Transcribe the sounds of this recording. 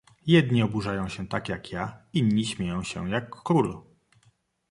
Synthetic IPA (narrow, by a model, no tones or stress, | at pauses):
jɛd̪ɲiɔbuʐajɔ̃w̃ɕɛt̪akjakjaiɲːiɕmʲjejɔ̃w̃ɕɛ̰jakːɾul